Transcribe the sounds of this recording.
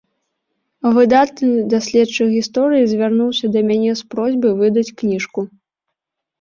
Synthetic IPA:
vɨd̪at̪̚nɨd̪asʲlʲɛt̪t͡ʂɨɣʲist̪ɔɾɨjizʲvʲarnuwsʲɐd̪ɐmʲanʲɛspɾɔzʲbɨvɨd̪ɐt͡sʲknʲiʂku

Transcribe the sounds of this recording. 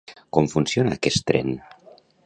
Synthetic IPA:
komfunsjonaːkɛst̪ɾɛ̰n

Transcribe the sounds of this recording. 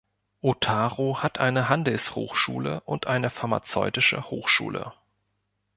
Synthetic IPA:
ʔotʰaːʁohatʔaɪnəɦandl̩sho̰ːxʃuːləʔʊntʔaɪnəfaɐma̰t͡sɔʏtɪʃə̰hoːxʃṵːlʔə̰

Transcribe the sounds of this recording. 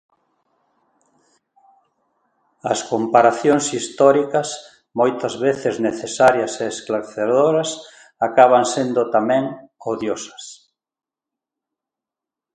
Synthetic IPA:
ɐskompaɾaθjoŋsist̪ɔɾikɐs | mojt̪ɐzβeθezneθesaɾjɐseːsklaɾθeðoɾɐs | akaβaŋsend̪ʊt̪amɛ̃ŋoðjosɐ̥s

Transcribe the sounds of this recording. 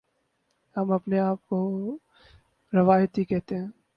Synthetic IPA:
hɐmɐpneaːp̚ko | ɾɐʋaːjət̪ɦikɛɦt̪eɦɛ̃ː

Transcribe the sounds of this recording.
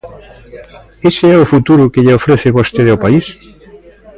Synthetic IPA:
eseɛʊfut̪uɾʊkeʎeofɾeθeβost̪eðeawpais

